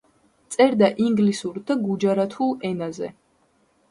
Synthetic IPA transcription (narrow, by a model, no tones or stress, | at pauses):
t̪sʼɛɾd̪aʔiŋɡlisuɾd̪aɡud͡ʒaɾat̪ʰuɛnazɛ̰